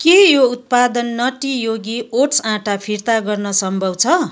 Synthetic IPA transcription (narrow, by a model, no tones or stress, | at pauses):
kejout̪̚pad̪ʌnːʌʈijoɡioʈsãʈapʰirt̪aɡʌrnʌsʌmbʱʌwt͡sʰʌ